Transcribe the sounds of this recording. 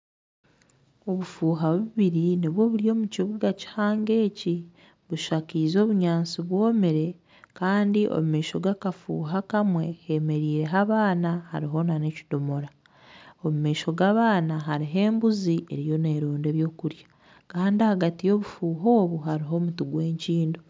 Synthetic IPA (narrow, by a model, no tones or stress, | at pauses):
o̞βufuːɦaβuβiɾiniβwo̞βulio̞ːmuciβuɡaci̥haːŋɡe̞ːci | βuʃakiːzo̞ːβuɲaːnsiβwoːmeɾe̞ | kaːndiʔo̰mumeːʃo̞ɡakafṵːɦakamwe̞heme̞ɾiːɾe̞ɦaβaːnaha̰ɾiɦo̞nane̞ci̥domo̞ɾa | omume̞ːʃo̞ɡaβaːnaɦaɾiɦe̞ːmbuziʔe̞ɾijo̞ne̞ːɾoːndeβjo̞ːkuɾjḁ | kaːndiahaɡatijo̞βufuːɦoːβuhaɾiɦo̞ːmutuɡwe̞ːɲciːndo̞